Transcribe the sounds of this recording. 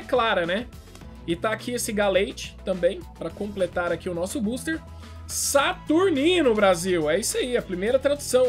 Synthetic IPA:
ɛklaɾɐnɛ | ɪt̪aːkʰiesɪɡalejt͡ʃɪ̥t̪ɐ̃mbẽj̃pɾɐkõmplet̪aɾakiʊnɔsʊbust̪eɾ | sat̪uɾninʊbɾaziwɛisaiɐpɾimejɾɐt̪ɾad̪usɐ̃w̃

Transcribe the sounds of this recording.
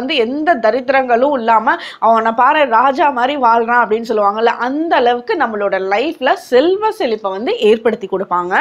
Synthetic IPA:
ɐnd̪ɯɛnd̪ɐd̪ɐɾɪt̪ːɪɾɐŋɡɐɭʊ̃ɪlːaːmɐʔɐʋɐ̃ɐnãːpaːɾẽːɾaːd͡ʒaːmaːd̪ɾiʋaːɭɾãːɐp̬ːɐɽɪnːɯsɔlːɯʋaːŋɡɐɪlːɐ̰ʔɐnd̪ɐɐɭɐʋɯkːɯnɐmːɐɭoːɽɐlɐɪfɪlɐsɛlʋɐsɛlɪpːɐʋɐnd̪ɯʔeːɾpɐɽɯt̪ːikːɔɽɯpːaːŋɡɐ

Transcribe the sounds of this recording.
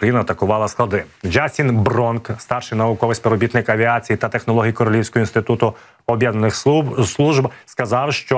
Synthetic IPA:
kɾɐjinɐːt̪ɐkʊʋɑlˠɐsklˠɐd̪ɪd͡ʒasʲtʲinbrɔnkst̪ɑrʃɪjnɐʋʊkɔʋɪsʲpeɾɔbʲit̪nɪkɐʋʲiɑt͡sʲijit̪ɐt̪exnɔlˠɔɦijikɔɾɔlʲiwsʲkɔjinst̪ɪt̪ut̪ʊ | ɔbʲjɛd̪nɐnɪxslˠuʒbskɐzɑwʃt͡ʃɔ

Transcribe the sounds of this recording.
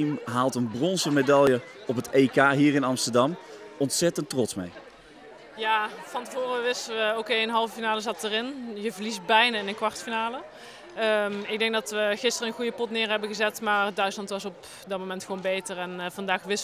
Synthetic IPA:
imɦaːlˠtənbrɔnzəmedɑlˠjə | ɔpɦətʰejkaːɦiːɾɪnɑmstəɹdɑm | ɔntsɛtəntrɔtsmḛj | jaːv̥ɑntəvʊːrəʋəʋɪsəʋəowkejənɦɑlˠvəfinaːləzɑtərɪnjəvərlist̚bɛjnaːɪnənkʋɑɹtfinaːlə | əmɪɡ̚dɛŋɡ̚dɑtʋəɣɪstərəənɣujəpɔtnɪːɹɦɛbəɣəzɛtmaːɹədœɥtslɑntʋɑsɔp | dɑt̚momɛntxʋoːnbejtərɛnvɑndaːxʋɪs

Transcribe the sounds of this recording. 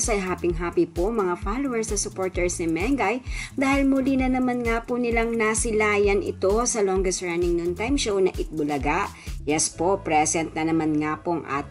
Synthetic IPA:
sɐjɦaːpɪŋɦaːpipoŋmɐŋafalowɛɹsɐsʊpoɹt̪ɛɹsnɛmɛŋɡɐjd̪aːhɪlmulinɐnɐmanŋapʊnɪlaŋnasɪlaːjɐnʔɪ̰t̪o̞sɐlɔŋɡɛst̪ɹanɪŋnʊnt̪ajmʃownɐʔɪt̪̚bʊlɐɡaʔjɛspopɾɛsɛnt̪̚nɐnɐmanŋapoʔɐŋʔa̰ːt̪

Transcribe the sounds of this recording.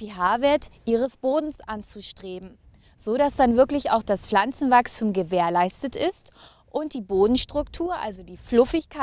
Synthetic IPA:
peɦaːɐveːɐtʔiːʁ̞əsb̥oːdn̩sʔant͡suʃtʁ̥eːbm̩ | z̥oːɾasd̥anvɪɐklɪça̰ʊxd̥asflant͡sn̩vakstuːmɡəveːɐlaɪstətɪst | ʔʊnt̚d̥iːboːdn̩ʃtʁ̥ʊktʰuːɐʔa̰lzodiːflʊfɪçkʰa

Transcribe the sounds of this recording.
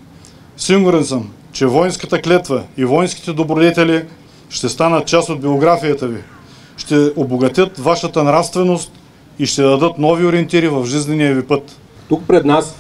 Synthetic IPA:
siɡuɾɛnsəm | t͡ʃɛvɔjnskət̪əklɛt̪vəivɔjnskʲi̥t̪ɛd̪obɾod̪it̪ɛli | ʃt̪ɛst̪anət̪̚t͡ʃasod̪̚bioɡɾafijət̪əvi | ʃt̪ɛoboɡɐt̪ʲjət̪vaʃət̪ənɾafst̪vɛnost̪ | iʃt̪ɛd̪ɐd̪ɤt̪nɔvioɾiɛnt̪iɾivɐvʒizninijəvipɤt̪ | t̪uk̚pɾɛd̪nas

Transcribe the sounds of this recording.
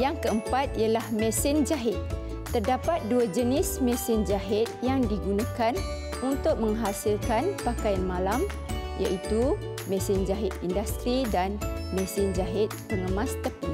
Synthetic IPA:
jaŋkəəmpat̪̚ialahmɛ̃sɪnd͡ʒaɦɪt̪̚ː | ərdapat̪̚duad͡ʒənɪsmɛsɪnd͡ʒaɦɪt̪̚jaŋdiɡunãkan | unt̪ʊk̚mə̃ŋɦasilkanpakajanmalam | ja̰ʔit̪u | mɛsɪnd͡ʒaɦɪt̪̚indast̪ɾidanmɛsɪnd͡ʒaɦɪt̪̚pəŋəmãst̪əpun

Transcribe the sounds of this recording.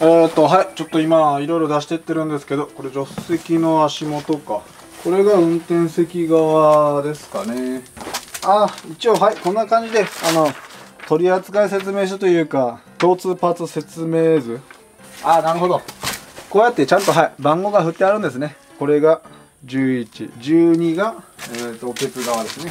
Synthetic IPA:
et̪o̞ɦait͡ɕo̞t̪ːo̞imaiɾo̞iɾo̞d̪aɕi̥t̪et̪ːe̞ɾɯ̟̃nd̪e̞sɨ̥ke̞d̪o̞ko̞ɾe̞d͡ʑo̞sɨ̥se̞kʲino̞aɕimo̞t̪o̞ka | kʰo̞ɾe̞ɡaɯ̟̃nt̪ẽ̞ɰ̃se̞kʲiɡaβad̪e̞sɨ̥kane̞ | ait͡ɕio̞ːɦaikõ̞nːakãɲ̟d͡ʑid̪e̞ano̞t̪ʰo̞ɾʲiat͡sɨ̥kaise̞t͡sɨme̞ːɕ̬ot̪o̞jɯ̟ːkakʲo̞ːt͡sɨːpat͡sɨse̞t͡sɨme̞ːzɨ | aːnaɾɯ̟ɦo̞d̪o̞ko̞ːjat̪ːe̞t͡ɕãnt̪o̞ɦaibãŋɡo̞ɡaɸɯ̟t̪ːe̞aɾɯ̟̃nd̪esɨne̞ | ko̞ɾe̞ɡa | d͡ʑɨːit͡ɕḭd͡ʑɨːɲ̟iɡaet̪ot̪e̞t͡sɨɡaβad̪e̞sɨne̞

